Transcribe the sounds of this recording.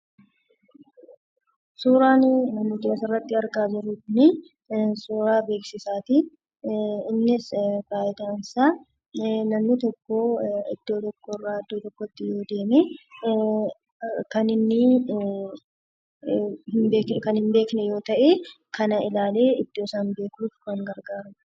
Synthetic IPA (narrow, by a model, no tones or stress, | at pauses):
suːɾaːnmʊd̪sɪrːɐt̪ːɪɐɾkaːd͡ʒɪɾːʊkʊni | suːɾaːbe̞ːksɪsaːt̪i | ɪnːɪsbaːjɪt̪aːnɪsaː | nɐmnɪt̪ɔkːoːɪd̪̥ːo̞ːt̪ɔkːoːrːaːɐd̪ːoːt̪ɔkːɔt̪ːɪjo̞ːd̪e̞ːme | kɐnɪnːɪ | hɪnbeːkkɐnhɪmbe̞ːknɛjo̞ːt̪ɐʔeː | kɐnɐɪlaːle̞ːɪd̪̥ːoːsaːnbe̞ːkufkɐŋɡɐɾɡaːɾɐmɐ